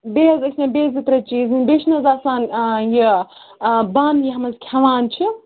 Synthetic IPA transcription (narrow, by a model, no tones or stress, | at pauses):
beɦɐzɐkʰʲnẽbʲeːzɨpɾɐt͡ʃiːzɨnʲbeʃʰnɐzaːsaːnji | bɐnjiɦɐmɐzkʲʰɐʋaːnt͡ʃʰi